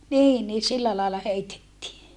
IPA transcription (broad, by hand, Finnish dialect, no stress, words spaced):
niːn niː silːæ lɑˑelːɑ heitetːiː